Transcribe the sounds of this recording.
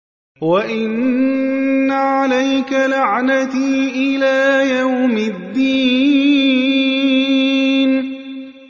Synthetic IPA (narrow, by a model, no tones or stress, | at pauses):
waʔɪnnː | aʕalajkalaʕnat̪iːʔɪlaːjawmɪd̪ːiː | n